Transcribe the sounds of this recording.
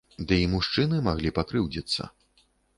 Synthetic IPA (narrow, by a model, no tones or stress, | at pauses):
d̪ɨimuʂt͡ʂɨnɨmaɣlʲipakɾɨwd͡zʲit̪sːɐ̰